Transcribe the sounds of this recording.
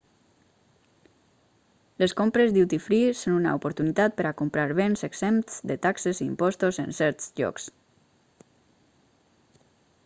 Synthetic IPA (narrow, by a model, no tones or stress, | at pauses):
leskompɾezd̪iwt̪ifɾisonuna̰opoɾt̪unit̪at̪̚pəɾakompɾaɾβenzeɡz̥emt̪z̥d̪ət̪akseziːmpɔst̪ozə̰nsɛɾt̪zʎɔ̰ks